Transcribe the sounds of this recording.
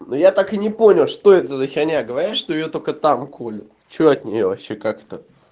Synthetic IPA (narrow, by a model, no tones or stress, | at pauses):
nojat̪akɨnʲɪponʲɪlˠʂt̪o̞ɛt̪əzəxʲɐnʲaɡəvɐɾʲaʂt̪o̞ɪjot̪o̞kət̪amkʰolʲʊt̪t͡ɕoɐt̪nʲɪ̰jo̞vɐpɕːekakt̪ə